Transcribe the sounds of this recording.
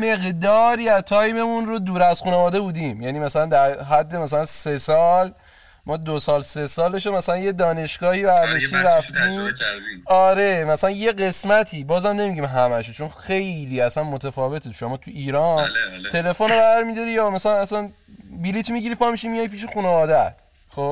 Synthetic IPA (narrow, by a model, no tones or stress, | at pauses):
me̞ɣd̪ɒːɾiːæzt̪ʰɒːjbe̞mũnɾo̞d̪uːɾæz̥xuːnevɒːd̪ebuːd̪ĩmjæniːmæsælænd̪æɾɦæd̪ːemæs̬ælænse̞sɒːl | mɒːd̪osɒːlse̞sɒːleʃ̬omæsælænje̞d̪ɒːne̞ʃɡ̥ɒːhiːbæɾd̪eʃt̪iɾæft̪iːm | ɒːɾe̞mæsælænje̞ɢe̞smæt̪ʰiːbɒːzæmne̞miɟimɦæmæʃot͡ʃʰonxe̞jliːæsænmot̪ʰæfɒːve̞t̪ʰeʃomɒːt̪ʰuiːɾɒnt̪ʰe̞le̞fo̞nobææɾmid̪ɒɾijɒmæsælænæsæn | bilit̪ʰmiɡɟiɾipʰɒːmiʃimijɒjpʰiːʃ̬exuːnevɒːd̪æt̪ʰ | xob